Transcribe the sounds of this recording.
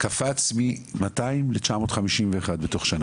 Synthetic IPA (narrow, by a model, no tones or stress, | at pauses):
kafat͡smimataimlet͡ʃamo̞ːtχamiʃimveːχadbeto̞χʃana